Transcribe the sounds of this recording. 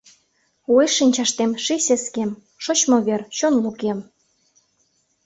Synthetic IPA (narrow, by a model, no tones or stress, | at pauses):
ueʃinʲt͡ɕɑʃt̪emʃiseskem | ʃot͡ɕmŏβert͡ɕonlukem